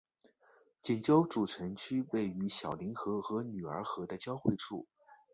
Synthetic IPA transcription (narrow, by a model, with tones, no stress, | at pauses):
t͡ɕi˨˩nt͡ɕjo˥ʊʈ͡ʂu˨˩ʈ͡ʂʰə˧˥ŋt͡ɕʰy˥we˥˩ɪy˧˥ɕjɑ˨˩ʊli˧˥nxɤ˧˥xɤ˧˥ny˨˩ə̰˞˧˥xɤ˧˥d̪ə˥˧t͡ɕjɑ˥ʊxwe˥˧ɪʈ͡ʂʰṵ˥˩